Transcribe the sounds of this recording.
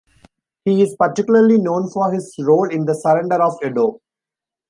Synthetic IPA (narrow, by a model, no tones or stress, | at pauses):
hiːɪzpɐɾʈɪkjʊləɾlinõːnfɔːɾhɪzɾoːlɪ̃nd̪əsəɾɛ̃ɳɖəɾɔːʋeɖoː